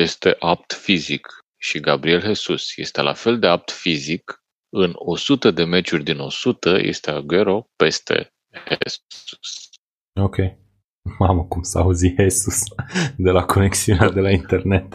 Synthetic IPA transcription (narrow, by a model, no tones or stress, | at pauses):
je̞st̪e̞ʔap̚t̪fizik | ʃiɡabɾie̞lɦe̞susje̞̰st̪e̞lʔa̰fe̞ld̪e̞ap̚t̪fizik | ɨno̞sut̪əd̪e̞me̞t͡ʃurʲd̪ino̞̰sut̪əjʔḛst̪eaɡe̞ɾo̞pe̞st̪e̞̰ | hess | okʲej | maməkumsəauzihesusd̪e̞lakʰo̞neksiunead̪e̞laint̪e̞rne̞t̪